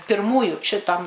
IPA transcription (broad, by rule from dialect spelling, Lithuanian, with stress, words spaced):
pʲɪrˈmuːjʊ ʃʲɪˈtɐm